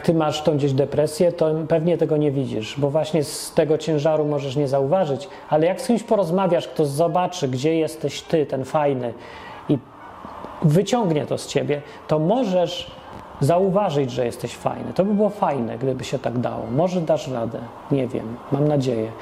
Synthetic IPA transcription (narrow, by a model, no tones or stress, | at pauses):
t̪ɘmaʂt̪ɔ̃w̃ɡd͡ʑeʑd̪ɛpɾɛsʲjɛt̪ɔpɛvɲɛt̪ɛɡɔɲɛvʲid͡ʑḭʂbɔvwaɕɲɛst̪ɛɡɔt͡ɕɛ̃w̃ʐaɾumɔʐɛʂ̬ɲɛzauvaʐɘt͡ɕ | alɛjakskʲimɕpɔɾɔzmavʲjaʂkt̪ɔzɔbat͡ʂɘɡd͡ʑɛjɛst̪ɛɕt̪ɘt̪ɛnfajnɘ | i | vɘt͡ɕɔŋɡɲɛ̰t̪ɔst͡ɕebʲjɛ | t̪ɔmɔʐɛʂ | zauvaʐɘd͡ʑʐɛjɛst̪ɛɕfa̰jnɛ̰t̪ɔbɘbɘwɔfajnɛ̰ɡd̪ɘbɘɕɛt̪aɡd̪a̰wɔ̰mɔʐɛd̪aʂɾad̪ɛ̰ | ɲɛvʲjɛ̰mːamnad͡ʑejɛ